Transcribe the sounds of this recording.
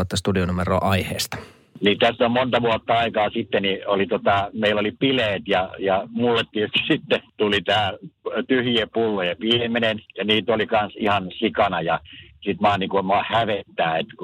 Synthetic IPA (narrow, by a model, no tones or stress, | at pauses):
ɑt̪ːɑst̪udionumero̰ːʔɑihḛːst̪ɑ̥ | niːt̪æst̪ːommont̪ɑʋuot̪ːɑɑikɑːsit̪ːeniolit̪ot̪ɑmeilːolipileːt̪jɑjɑmulːet̪t̪iøst̪i̥sit̪ːet̪ulit̪æːt̪yhiepulːojɑʋimenenjɑniːt̪olikɑnsihɑnsikɑnɑjɑsit̪mɑːnikoimɑːhæʋet̪ːæːet̪ku